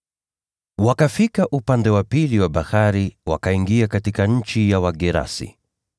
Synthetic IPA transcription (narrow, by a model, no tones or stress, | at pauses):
wakafikaʔupandɛwapiliwaɓahaɾiwa̰kaiŋɡiakatikaɲ̩t͡ʃijawaɡɛɾa̰sḭ